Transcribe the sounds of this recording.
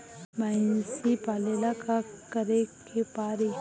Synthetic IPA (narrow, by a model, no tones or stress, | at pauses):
mansipaːlelakakəɾekepaːɾe